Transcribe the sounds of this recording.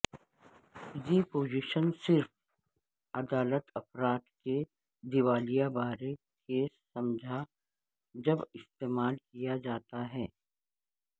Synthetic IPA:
jepoːd͡ʒɪʃənsɪɾf | ɐd̪aːlət̪ɐpɾaːt̪ke | d̪ɪʋaːlijabaːɾe | kesɐmd͡ʒʱa | d͡ʒɐbɪst̪eːmaːlkijad͡ʒaːt̪aɦɛː

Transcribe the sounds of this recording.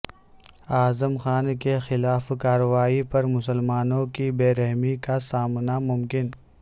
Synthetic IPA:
aːzəmxaːnkexɪlaːfkaːɾəwaːipɐɾmʊsəlmaːnõkibeːɾɛɦmikasaːmnamʊmkɪn

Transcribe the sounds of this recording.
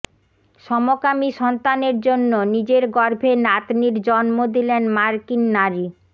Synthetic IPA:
ʃɔmokamiʃɔnt̪aneɾd͡ʑonːonid͡ʑeɾɡɔɾbʱenat̪niɾd͡ʑɔnmod̪ilenmaɾkinːaɾi

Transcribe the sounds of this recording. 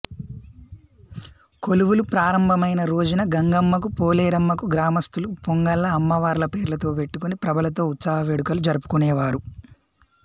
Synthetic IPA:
ko̞luʋulupɾaːɾɐmbʱɐmɐjnɐɾoːd͡ʒɐnɐɡɐŋɡɐmːɐk̬upoːleːɾɐmːɐkuɡɾaːmɐst̪ulupoŋɡɐlːɐːmːɐʋaːɾlɐpe̞ːɾlɐt̪o̞ːpe̞ʈːukunipɾɐbɐlɐt̪o̞ːut̪saːɦɐʋeɽukɐlud͡ʒɐɾupu̥kunɛːʋaːɾu

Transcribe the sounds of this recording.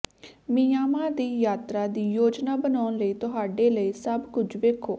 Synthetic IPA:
miːaːmãːd̪iːjaːt̪ɾaːd̪iːjoːd͡ʒnaːbənaːnləiːt̪ʊɦaːɖeːləiːsəbkʊd͡ʒʰʋeːkʰoː

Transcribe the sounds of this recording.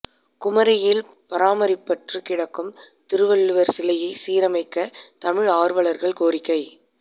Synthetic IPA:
kʊmɐɾɐjɪl | pɐɾaːmɐɾɪpːɐʈrɯkɪɽɐkːɯmt̪ɪɾɯʋɐɭːɯʋɐɾsɪlɐjɐɪsiːɾɐmɐɪkːɐt̪ɐmɪɻaːɾʋɐɭɐɾɣɐɭkoːɾɪkːɐɪ

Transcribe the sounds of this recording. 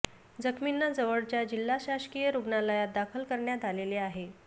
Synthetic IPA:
d͡zəkʰminːad͡zəʋəɭt͡ɕjad͡ʑilːaɕaɕkijəɾuɡnaləjad̪akʰəlkəɾɳjat̪aleleaɦe

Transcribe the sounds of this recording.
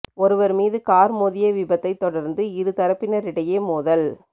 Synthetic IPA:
ɔɾɯʋɐɾmiːðɯkaːɾmoːðɪjɐʋɪbɐt̪ːɐɪt̪ːɔɽɐɾnd̪ɯɪɾɯt̪ɐɾɐpːɪnɐɾɪɽɐjeːmuːðɐl

